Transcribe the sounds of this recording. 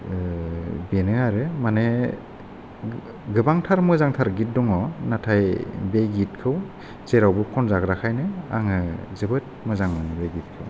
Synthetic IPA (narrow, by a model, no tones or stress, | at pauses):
benɯaɾɯmane | ɡɯbaŋtʰaɾmɔjzaŋtʰaɾɡit̚dɔŋɔnatʰajbeɡit̚kʰɯw | zeɾawbɯkʰɔnzaɡɾakʰajnɯa̰ŋɯzɯbɯt̚mɔjzaŋmanebeɡit̚kʰɯw